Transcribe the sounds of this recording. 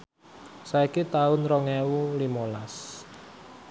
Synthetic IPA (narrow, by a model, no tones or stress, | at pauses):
saikit̪aʊnrɔŋɛwulimolas